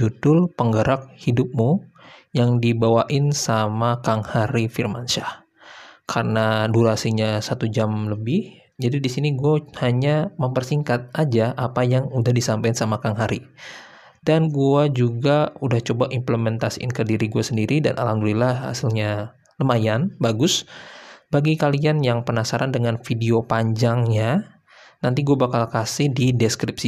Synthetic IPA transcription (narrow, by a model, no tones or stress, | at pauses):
d͡ʒudʊlpəŋɡəɾʔak̚hidʊp̚mujaŋdibawaʔɪnsamakaŋhaɾifirmanʃa | kʰarənaduɾasiɲasat̪ud͡ʒamləbɪh | d͡ʒadidisiniɡuahaɲaməmpərsiŋkat̪̚ʔad͡ʒaʔapajaŋudahdisampansamakaŋɦaɾi | danɡuad͡ʒuɡaudaht͡ʃobaʔimpləmɛnt̪asiʔɪ̰nkərdiɾiɡuasəndiɾida̰nʔa̰laŋɡulilaha̰sɪlɲa | ləmajanbaɡʊs | baɡikalianjaŋpənasaɾandəŋanfideopaɲd͡ʒaŋɲa | nant̪iɡuabakalkasɪhdidɛskɾipsi